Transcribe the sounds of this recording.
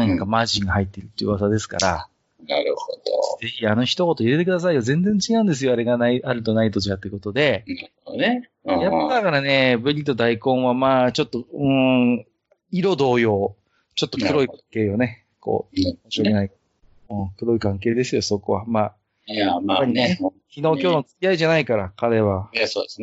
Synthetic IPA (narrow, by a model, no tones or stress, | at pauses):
nãŋkamaʑĩŋɡahait̪ːe̞ɾɯ̟t̪ːejɯ̟βazad̪e̞sɨ̥ka̰ɾa̰ | naɾɯhod̪o̰ze̞çiano̞çi̥t̪oko̞t̪o̞iɾe̞t̪e̞kɯ̟d̪as̬aijozẽ̞nd͡zẽ̞ɲ̟t͡ɕiɡãnd̪esɨjo̞aɾe̞ɡanaaɾɯ̟t̪o̞nait̪o̞ʑiat̪ːeɯ̟ko̞t̪o̞d̪e̞a | e | jatːad̪akaɾane̞bɯ̟ɾʲit̪o̞d̪aikõ̞ɰ̃βamaːt͡ɕo̞t̪ːo̞ɯ̟̃ | iɾo̞d̪o̞ːjo̞ː | t͡ɕo̞t̪ːo̞kɯ̟ɾo̞ikãŋke̞ːjo̞ne̞ | ko̞̰ːmoɕikenai | ɯ̃ːkɯ̟ɾo̞ikãŋke̞ːd̪e̞sɨjo̞so̞ko̞βa̰maː | apːaɾʲinekʲino̞ːkʲoːnot͡sɨ̥kʲiaiʑanaikaɾakaɾe̞βaod̪es